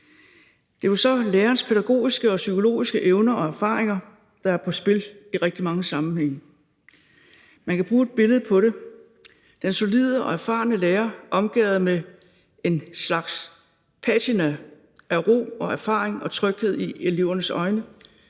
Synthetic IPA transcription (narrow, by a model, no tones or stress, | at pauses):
d̥e̝ʋɑsɒ̽leːɐnspʰeɾ̥æɡ̥o̝̰ːisɡ̥əɒ̽sykʰo̝lo̝̰ːisɡ̥əʔeʊnɐʔɒ̽æɐfɑ̰̈ːʁeŋɐ | d̥ɑ̈æɐpʰɒ̽sb̥e̝liʁɛɡ̥̚d̥imɑ̈ŋəsɑ̈mn̩heŋ̰ | mænkʰæb̥ʁuːe̝d̚b̥e̝ləð̞̩ˠpʰɒ̽ɾe̝ | d̥enso̝lið̞ˠəʔɒ̽æɐfɑ̰̈ːnəleːɐʔɒ̽mɡ̥ɛ̰ːʊð̩ˠme | e̝nslɑ̈ɡ̥s | pʰæt͡sʰinæ | ʔæʁo̝̰ːɒ̽æɐfɑ̰̈ːʁeŋɒ̽t͡sʰʁœɡ̥he̝ð̞̰ˠieliʊ̰ɐnəsɒ̽ɪnə